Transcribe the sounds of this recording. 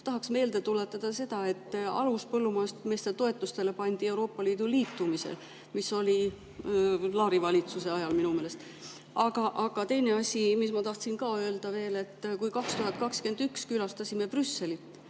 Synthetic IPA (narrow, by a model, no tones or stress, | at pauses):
t̪ɑɦɑksme̞ːld̪e̞t̪ule̞t̪ːˑɑd̪̥ɑse̞d̪̥ɑe̞t̪ːɑ̰luspɤlːumɑest̪me̞ːst̪et̪o̞e̞t̪ːˑust̪e̞le̞pɑnʲd̪̥ie̞wɾo̞ːpːɑliːd̪̥uliːt̪ːˑumisḛl | miso̞lʲi | lɑːɾivɑlʲit̪suseɑjɑlminumeːlest̪ | ɑɡ̥ɑʔɑɡ̥ɑt̪e̞jne̞ɑsʲimismɑt̪ɑht̪sinkɑːø̞ːld̪̥ɑve̞ːle̞t̪ːkujkɑkst̪uɦɑt̪̚kɑkske̞nd̪ykskylɑst̪ɑsʲime̞prysːe̞lit̪ː